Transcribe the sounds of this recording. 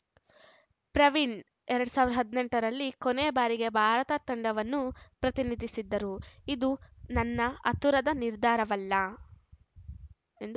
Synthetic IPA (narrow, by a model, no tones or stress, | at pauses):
pɾɐʋiɳ | ɛɾɐɽusaːʋɾd̪ɐɦɐd̪neɳʈɐɾɐlːikoneːbaːɾiɡe̞bʱaːɾɐt̪ɐt̪ɐɳɖɐʋɐnːupɾɐt̪inid̪ʱisid̪ːɐɾuid̪unɐnːɐɐt̪uɾɐd̪ɐniɾd̪ʱaːɾɐʋɐlːɐ | end̪u